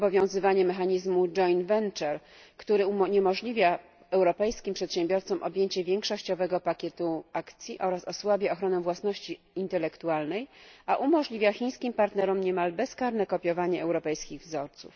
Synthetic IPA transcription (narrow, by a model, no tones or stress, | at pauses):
ɔbɔvʲjɔ̃w̃zɘvaɲɛmɛxaɲizmud͡ʐɔjnvɛnt͡ʂɛɾ | kt̪uɾɘuɲɛmɔʐlʲivʲja | ɛwɾɔpɛjskʲimpʂɛt̪ɕɛmbʲjɔɾt̪sɔmʔɔbʲjeɲt͡ɕɛvʲjɛŋkʂɔɕt͡ɕɔvɛɡɔpakʲɛt̪uakt̪sʲjiʔɔɾasɔswabʲjɛɔxɾɔnɛvwasnɔɕt͡ɕiːnt̪ɛlɛkt̪ualnɛjaʔumɔʐlʲivʲjaxʲiɲ̃skʲimpaɾt̪nɛɾɔmɲɛmalbɛskaɾnɛkɔpʲjɔvaɲɛɛwɾɔpɛjskʲiɣvzɔɾt̪sṵf